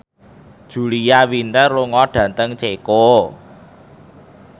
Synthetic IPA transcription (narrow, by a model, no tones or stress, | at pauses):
d̥ʒ̥ṳlijawint̪ərluŋɔɖ̥ä̤nt̪əŋt͡ʃeko